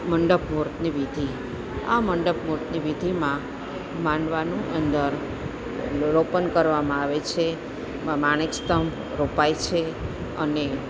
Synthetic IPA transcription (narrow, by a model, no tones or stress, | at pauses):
məɳɖəpmoɾt̪niʋid̪ʱi | a̰məɳɖəp̚muɾt̪niʋid̪ʱimã | mãɳʋanuʔənd̪əɾ | ɾopənkəɾʋamãaʋet͡ʃʰe | maɳ̃ekst̪əm | ɾopajt͡ʃʰe | əne